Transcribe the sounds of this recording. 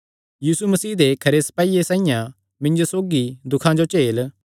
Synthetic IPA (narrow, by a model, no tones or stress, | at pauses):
jiːsumɐsiːd̪ekʰɐɾesɐ̥paːiesãːĩjã | mɪ̃nd͡ʒosoːɡid̪ʊkʰãd͡ʒot͡ʃeːl